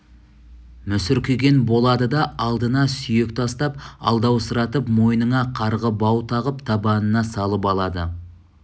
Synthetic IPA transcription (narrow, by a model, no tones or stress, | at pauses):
mʏsʏɾkʲʰeɡʲe̞nbo̞lˠɑd̪əd̪ɑɑlˠd̪ənɑsʏjekt̪ʰɑst̪ɑp̚ɑ̰lˠd̪ɑwsəɾɑt̪əpmo̞jnəɴɑqʰɑɾʁəbɑwt̪ʰɑʁəpt̪ʰɑbɑnənɑsɑlˠəpɑlˠɑd̪ə̰